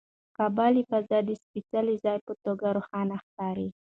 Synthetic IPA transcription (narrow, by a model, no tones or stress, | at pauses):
kɑbɑlifazɑd̪əspit͡salizɑjpət̪oɡaɾoxɑnaxkɑɾi